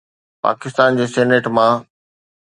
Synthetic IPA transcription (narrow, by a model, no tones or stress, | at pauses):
pa̰ːkɪst̪aːnd͡ʑeːsɛːneʈmã